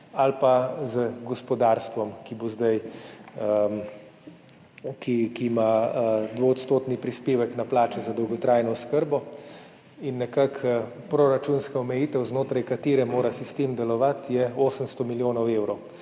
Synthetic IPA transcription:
alpazəɡɔspɔd̪aɾst̪ʋɔmkibozd̪aj | kikimad̪ʋoɔt̪st̪oːt̪nipɾispeːʋɛknaplaːt͡ʃɛzad̪ɔwɡɔt̪ɾajnɔɔskəɾbɔ | inːɛkak | pɾoɾat͡ʃunskaɔmɛjit̪ɛwznoːt̪ɾajkat̪eːɾɛmoːɾasist̪emd̪ɛlɔʋat̪jɛoːsəmst̪ɔmiljoːnɔwewɾɔw

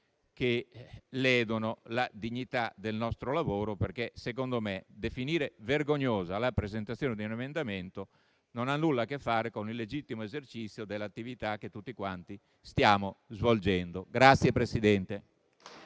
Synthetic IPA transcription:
kelɛːd̪onolad̪iɲːit̪ad̪elnɔst̪ɾolavoːɾoperkesekond̪omed̪efiniːɾeverɡoɲːoːzalapɾezent̪at̪sːjoːned̪iunemend̪ament̪o | nonanːulːakefːaːɾekonilːed͡ʒit̪ːimoezert͡ʃit̪sːjod̪elːat̪ːivit̪ak̟ːet̪ːut̪ːikwant̪i | st̪jaːmozvold͡ʒɛnd̪oɡɾat̪sːjepɾesid̪ɛnt̪e

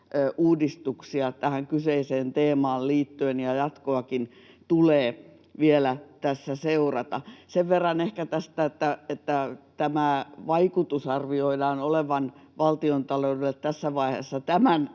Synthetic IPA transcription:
øʔuːdist̪uksiɑt̪æhæŋkyseiseːnt̪eːmɑːlliːt̪ːyenjɑjɑt̪koɑkin | t̪uleː | ʋielæt̪æsːæseurɑt̪ɑseʋʋerːɑnehkæt̪æst̪æet̪ːæet̪ːæt̪æmæʋɑikut̪usɑrʋioidɑːnoleʋɑnʋɑlt̪iont̪ɑloudelt̪t̪æsːæʋɑihḛsːɑt̪æmæn

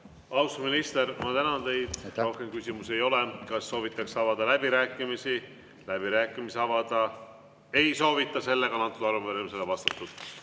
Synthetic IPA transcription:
ɑwsuminist̪eɾmɑt̪ænɑnt̪e̞jd̪̥o̞hke̞mkysʲimuse̞jo̞lekɑsːo̞ːvit̪ːˑɑksɑvɑd̪̥ɑlæb̥iɾæːkːˑimisi | læb̥iɾæːkːˑimiseɑvɑd̪̥ɑ | e̞jso̞ːvit̪ˑːɑse̞lːe̞ɡ̥ɑnɑt̪ːud̪̥ɑɾuveɾemiselevɑst̪ɑt̪ːˑud̪̥

